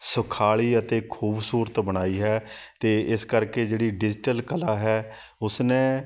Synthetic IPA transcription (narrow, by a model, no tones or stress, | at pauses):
sʊkʰaːiːət̪eːkʰuːbsuːɾət̪bəɽ̃aːiːɦɛː | t̪eːɪskəɾkeːd͡ʒeːɽiːɖɪd͡ʒɪʈəlkəlaːɦɛː | ʊsnẽː